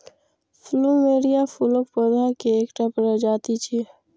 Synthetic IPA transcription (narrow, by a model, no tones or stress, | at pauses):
fʰlumeːɾijafuləkpod̪akeeːkʈəpɾəd͡ʒaːt̪it͡ʃʰi